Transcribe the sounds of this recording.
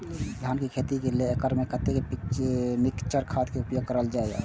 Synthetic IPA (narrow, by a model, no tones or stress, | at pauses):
d̪ʱankekʰet̪ikeleekəɾmekət̪ekepikmikt͡ʃəɾkʰat̪keupjoɡ̚kəɾəld͡ʒaɛa̰